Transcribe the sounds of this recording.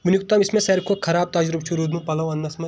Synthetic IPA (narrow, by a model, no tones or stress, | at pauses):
ʋinjukt̪ɐmɪsmẽsɐɾkʰokʰɐɾaːb̚t̪aːd͡ʒɾub̚t͡ʃʰuɾuːd̪mũpɐlɐʋɐnːɐsmɐ